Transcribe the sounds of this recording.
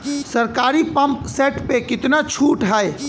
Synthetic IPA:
sɐɾkaːɾipɐ̃mpseːʈpekɪt̪nat͡ʃʰuːʈɦaːe

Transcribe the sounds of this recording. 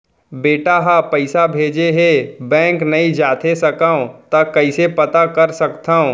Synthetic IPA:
beːʈaɦapɐɪsabʱeːd͡ʒeɦebɛ̃ːŋknɐid͡ʒaːt̪ʰesɐkaõt̪akɐɪsepɐt̪akɐɾsɐkt̪ʰaːõ

